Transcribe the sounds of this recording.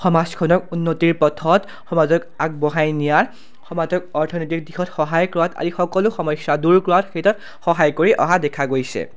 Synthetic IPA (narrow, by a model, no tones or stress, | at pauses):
xɔmaskʰɔnɔkunːotiɹpɔtʰɔt | xɔmazɔkak̚bɔɦajnijaɹ | xɔmazɔkɔɹtʰɔnojt̬ik̚dixɔtxɔɦajkɹuata̰zixɔkɔlʊxɔmɔjsaduɹkɹʊatkʰetɔt̚ | xɔɦajkoɹiʔɔ̰ɦadɛkʰaɡojsɛ̰